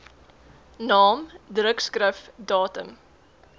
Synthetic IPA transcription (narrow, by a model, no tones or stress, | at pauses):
nɑːmdrəkskrəfdɑːtəm